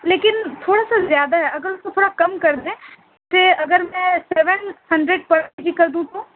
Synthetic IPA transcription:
leːkɪnt̪ʰoːɽasazjaːd̪aɦɛɐɡəɾʊskot̪ʰoːɽakɐmkɐɾd̪ẽː | t̪eɐɡəɾmɛ̃ːsɛːʋənhɐ̃ɳɖɾeɖ̚pɐɾed͡ʒikɐɾd̪ũt̪ũː

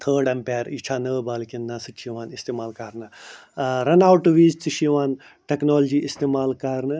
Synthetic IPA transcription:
t̪ʰəːɖɐmpʲɛːɾit͡ʃʰaːnəbaːlkinːãːsɨt͡ʃʰiʋaːnist̪eːmaːlkɐɾnɨ | ɾɐnaːwʈːɨʋiːzt͡sɨʃiʋaːn | ʈeknoːld͡ʒiːʔist̪eːmaːlkɐɾnɨ

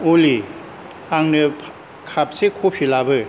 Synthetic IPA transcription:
oli | aŋnɯpʰ | kʰap̚sekʰopʰilabɯ

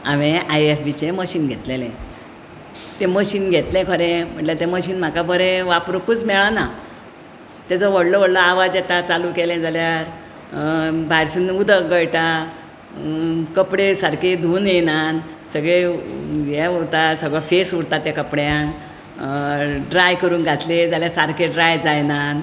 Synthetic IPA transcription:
aʋeʔajefbit͡ɕẽməɕiːnɡʱet̪lelɛ̃ | t̪ẽməɕiːnɡʱet̪lɛ̃kʰəɾẽm̤əʈlet̪ẽməɕiːnm̤akabʱəɾẽʋapɾukuːt͡smɛɭana | t̪ed͡zɔʋəɽlɔʋəɽlɔaʋad͡zjɛt̪at͡salukelɛ̃d͡zaljaɾ | bʱaɾsinud̪ʱəɡəjʈa | kəpɽesaɾked̪ʱuːnjenan | səɡɭeʋɛuɽt̪asəɡɭɔfesuɽt̪at̪jakəpɽjãŋk | ɖɾajkəɾuːnɡʱat̪lẽd͡zaljasaɾkeɖɾajd͡zajnan

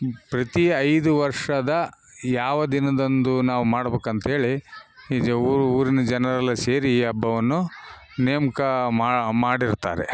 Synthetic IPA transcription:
pɾɐt̪iɐjd̪uʋɐɾʂɐd̪ɐjaːʋɐd̪inɐd̪ond̪unaːʋumaːɽɐbeːkɐnt̪ɐɦe̞ːɭi | ɾuːɾinɐd͡ʒɐnɐɾɐlːɐseːɾiːɐbʱːɐʋɐnːu | neːmɐkɐmaːmaːɽiɾt̪a̰ːɾe

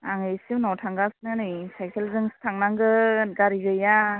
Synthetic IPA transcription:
aŋɯjsiwnawtʰaŋɡasnɯnɯjsajkʰelzɯŋstʰaŋnaŋɡɯɡaɾiɡɯja

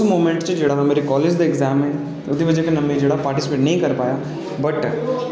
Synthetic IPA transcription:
smoːmẽɳʈt͡ʃd͡ʒeːɽaɦmeːɾekɔːleːd͡ʒd̪aɪɡzaːmɦɛ̃ | ʊd̪ʱibɐd͡ʒɛkenɐmẽd͡ʒeːɽapaːɾʈɪsɪpeːʈnɐɦĩkɐɾpaːja | bɐʈ

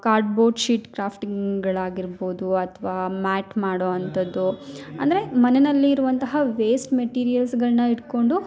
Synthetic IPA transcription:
kaːɾɖbo̞ːʈʃiːʈkɾaːpʰʈiŋɡɐɭaːɡiɾbo̞ːd̪uɐt̪ʰʋaːmæːʈmaːɽoːɐnt̪ɐd̪ːuɐ̰nd̪ɐɾe̞mɐnenɐlːiːɾuʋɐnt̪ɐɦɐʋeːsʈmeʈiːɾijɐlsɡɐɭnɐiɽko̞ɳɖu

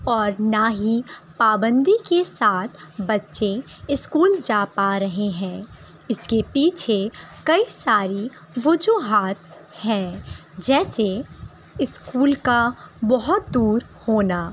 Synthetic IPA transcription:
ɔːɾnaɦipaːbə̃nd̪ikesaːt̪ʰbɐtːʃeɪskuːld͡ʒaːpaɾɐɦeɦɛ̃ː | ɪskepiːt͡ʃʰekɐisaːɾi | ʋʊd͡ʒuːɦaːt̪ | hɛ̃ | d͡ʒɛːse | ɪskuːlkabɔɦʊt̪̚d̪uːɾ | hoːnaː

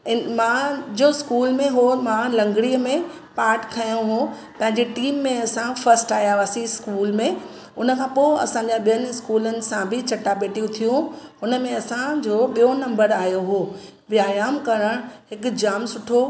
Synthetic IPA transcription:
ɪmãd͡ʑoskuːlmẽɦoːɾmãlɐ̃ŋɡɽiəmẽ | paːɾʈkʰɐjũɦũ | pɐ̃ɦɪ̃ɲd͡ʑeʈiːmːẽɐsãfɐɾsʈaːjaʋaːsiskuːlmẽ | ʊnə̆kʰãːpoːɐ̰sãɲd͡ʑaɓijənɪɪskuːlənɪ̆sãbʱɪt͡ɕɐʈaɓeːʈijũt̪ʰijũʊnə̆mẽɐsãd͡ʑoːɓijonɐ̃mbəɾaːijoɦoːʋjaːjaːmkɐɾəɽ̃ɦɪkʊ̆d͡ʑaːmsʊʈʰo

